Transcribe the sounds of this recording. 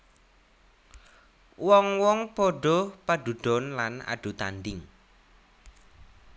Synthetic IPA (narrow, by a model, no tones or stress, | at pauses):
wɔŋwɔŋpɔɖɔpaɖ̥ṳɖ̥ɔ̤nlana̰ɖ̥ṳt̪a̰ndɪŋ